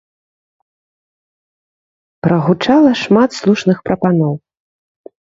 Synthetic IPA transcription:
pɾɐɣut͡ʂalˠɐʂmat̪slˠuʂnɨxpɾɐpanɔw

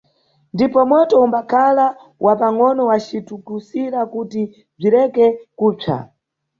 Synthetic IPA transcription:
ndipɔmɔtɔumbakʰala | wʔapaŋɔnɔwat͡ʃitukusiɾakuti | b͡ʐiɾɛkɛkuːp͡ʂʰa̰

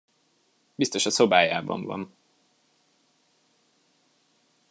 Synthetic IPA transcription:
bist̪o̞ʃɒso̞baːjaːbɒ̰ɱvɒ̰ɱ

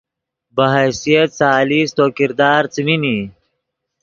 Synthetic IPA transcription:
bɐɦasijɐt̪̚t͡saːliːst̪oːkiɾd̪aːɾt͡simini

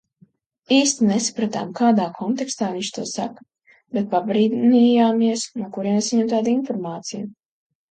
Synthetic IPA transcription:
iːst̪inesḁpɾat̪a̰ːmkaːd̪aːkʰɔnt̪ɛkst̪aːniɲʲt͡ʃt̪uɔsak | bɛt̪̚pabɾiːd̪nijaːmiɛsnuɔkuɾiɛmɛsaɲɛmt̪aːd̪infɔɾmaːt̪sijʊ

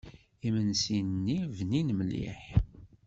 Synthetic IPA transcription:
imənsinnːivninmlḭħ

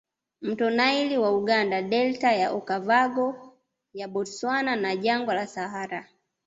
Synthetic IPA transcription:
m̩tɔnailiwauɡandadɛltajaʔɔkavaɡɔ | jabɔtswananaʄaŋɡwalasaɦaɾa

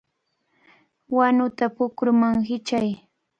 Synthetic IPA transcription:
wanʊt̪apʊkʊɾʊmaŋɦɪt͡ʃaj

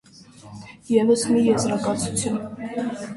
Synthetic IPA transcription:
jɛvəsmijɛzɾɑkɑt͡sʰut͡sʰjun

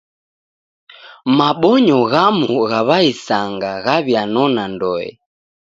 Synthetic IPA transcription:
maɓɔɲɔɣamuɣaβaisaŋɡaɣaβjanɔnandɔɛ̰

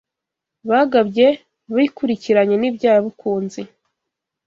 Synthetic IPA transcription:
βaɡabɟe̞ | βaikuɾiciɾaɲe̞nibɟaːjaβukʰuːnzi

